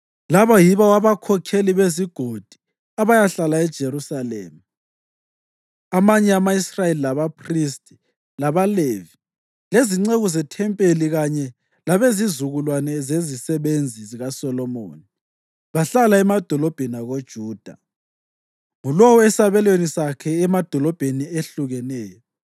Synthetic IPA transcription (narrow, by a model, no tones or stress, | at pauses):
laβajiβawaβakʰɔkʰeliβeziɡ̥ʱod̥ʱi̥ | aβajaɬalaɛd̥ʒ̥ʱerusalḛːmu | amaɲɛamaisrajelilaβapʰristʼi̥ | laβalevi | leziŋ͡ǀeɣuzɛtʰɛmpʼeliɣaɲɛ | laβezizuɣulwanɛzezisɛβend͡zʱiziɣasɔlɔmo̰ːni | βaɬalaɛmad̥ʱɔlɔb̥ʱɛnaɣod̥ʒ̥ʱuːd̥ʱa | ŋulowɔɛsaβɛlwenisakʰɛːmad̥ʱɔlɔb̥ʱenieɬuɣɛnɛːjɔ